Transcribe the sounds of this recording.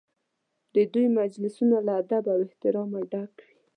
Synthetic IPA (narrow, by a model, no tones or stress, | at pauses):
d̪əd̪ujmad͡ʒlɪsunolaːd̪abawɪht̪ɪɾɑmaɖakwi